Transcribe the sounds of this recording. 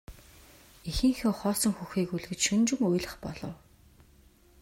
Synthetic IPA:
ixɘ̆ŋxʲɔːχɔːsɞ̆ŋxuxiːkuɮɣɘ̆t͡ɕʃɵnt͡ɕŭmujɮə̆χpɔ̰ɮɞ̆w

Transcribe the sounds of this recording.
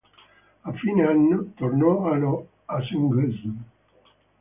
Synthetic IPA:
afːineanːot̪ornɔalo | asiŋɡɛzm

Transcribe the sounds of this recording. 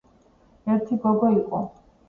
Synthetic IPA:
ɛɾt̪ʰibɔɡɔiqʼɔ̰

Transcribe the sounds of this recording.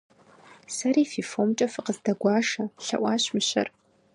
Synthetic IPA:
sɐɾiːfiːfoːmt͡ʃʼɐfɨqəzdɐɡʷɑːʂɐɬɐ̰ʔʷɑːɕmɨɕɐ̰r

